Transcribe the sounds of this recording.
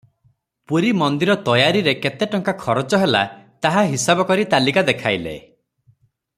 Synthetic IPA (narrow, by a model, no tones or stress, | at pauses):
puɾimɔnd̪iɾɔt̪ɔjaɾiɾeket̪eʈɔŋkakʰɔɾɔt͡ʃɔɦela̰t̪aɦaɦisabɔkɔɾit̪alikad̪ekʰajlḛ